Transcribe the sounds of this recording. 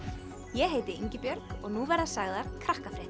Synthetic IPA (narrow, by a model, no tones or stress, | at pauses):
jɛɦeːjt̪ɪiɲcɪpjœɾkɔɣnuvaɾðasaːɣðaɾ̥kʰɾahkafɾɪt̪